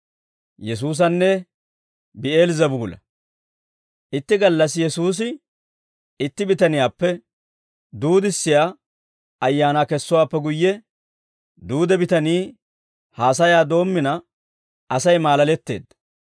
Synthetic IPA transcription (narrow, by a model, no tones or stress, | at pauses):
jɛsuːs̬ɐnːɛ | bɪe̞ːlzɐbʊɡʊlɐ̰ | ʔɪt̪ːɪɡɐlːɐsjɛsuːs̬ɪ | ɪt̪ːɪbɪt̪ɐnɪjaːpːɛ | d̪uːd̪ɪsːɪjaː | ɐjːaːnakɛsːʊwaːpːɛɡʊjːɛ | d̪uːd̪ɛbɪt̪ɐniː | haːsɐjaːd̪o̞ːmːɪnɐ | ʔɐsɐjmaːlɐlɛt̪ːe̞̰ːd̪ɐ